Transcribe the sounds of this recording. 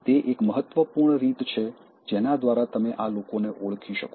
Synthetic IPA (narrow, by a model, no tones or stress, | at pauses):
t̪eʔekməɦət̪ːʋəpuɾɳɾit̪t͡ʃʰe | d͡ʒenad̪ʋaɾat̪əmeʔalokoneʔoɭkʰiʃə̰ko